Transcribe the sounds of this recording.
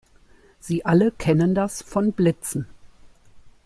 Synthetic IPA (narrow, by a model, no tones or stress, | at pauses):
z̥iːʔaləkʰɛnəndasfɔnblɪt͡sn̩